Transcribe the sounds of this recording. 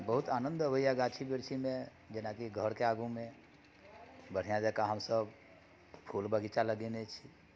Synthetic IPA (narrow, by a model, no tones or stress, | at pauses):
bəɦut̪anə̃nd̪əbəijaɡat͡ʃʰibiɾt͡ʃʰimẽ | d͡ʒenakiɡʱəɾkeaɡũmẽ | bəɽ̤ijãd͡ʒɛkaɦəmsəb | pʰulbəɡit͡ʃaləɡenet͡ʃʰi